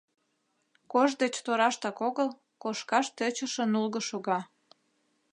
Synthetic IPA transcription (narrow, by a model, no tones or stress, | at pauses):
koʒd̪et͡ɕt̪oɾɑʃt̪ɑkoɣəl | koʃkɑʃt̪øt͡ɕəʃə̆nulɣəʃoɣɑ